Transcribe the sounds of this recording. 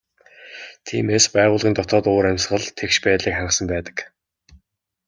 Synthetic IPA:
t̪ʰḭːmeːspæːʁʊːɮʁʲiːnt̪ɔt̪ɔːt̪oːɾæmʲsχə̆ɮt̪ʰekʃpæːt̪ɮiːkχaɴə̆sə̆mpæːt̪ə̥̆k

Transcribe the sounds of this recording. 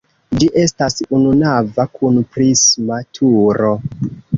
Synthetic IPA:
d͡ʒiʔe̞stasununavakʰunpɾismatʰuɾo̞

